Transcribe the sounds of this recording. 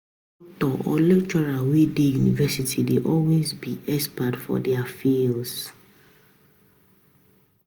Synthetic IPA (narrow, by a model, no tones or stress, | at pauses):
d | ɔk̚tɔʔɔ̰lɛkt͡ʃɔɹawidejunivɛsitʰideʔɔlwezbiʔɛspatfɔ̰dɛafils